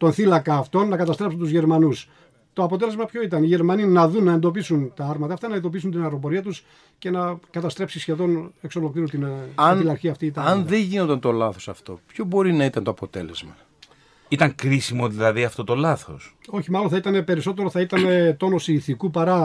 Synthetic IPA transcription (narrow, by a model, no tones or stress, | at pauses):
t̪o̞nθilɐkɐːft̪o̞nːɐkɐt̪ɐst̪ɾepsunt̪uzʝeɾmɐnus | t̪o̞ɐpo̞t̪e̞le̞zmɐpço̞it̪ɐniʝe̞ɾmɐninɐðunːɐend̪o̞pisunt̪ɐɐɾmɐt̪ɐːft̪ɐnɐend̪op̬is̬unt̪inɐɾo̞po̞ɾiɐt̪us | ce̞nɐkɐt̪ɐst̪ɾe̞psisçe̞ðo̞ne̞kso̞lo̞kliɾunt̪innilɐɾçiɐft̪it̪ɐɐnðeɲʝinot̪ɐnt̪o̞lɐθo̞sɐft̪o̞̰pçobo̞ɾinɐit̪ɐnt̪o̞ɐpo̞t̪e̞le̞zmɐ | it̪ɐŋkɾisimo̞ðilɐðiɐft̪o̞t̪o̞lɐθo̞̰so̞çimɐloθɐit̪ɐne̞pe̞ɾiso̞t̪e̞ɾoθɐit̪ɐne̞t̪o̞no̞siːθikupɐɾɐ